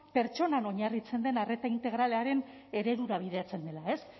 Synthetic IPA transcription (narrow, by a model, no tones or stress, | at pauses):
pe̞ɾt͡ʃo̞nano̞ɲarit͡se̞nd̪e̞nare̞t̪aint̪e̞ɣɾale̞aɾe̞n | e̞ɾe̞ðuɾaβ̞iðe̞at͡se̞nd̪e̞lae̞s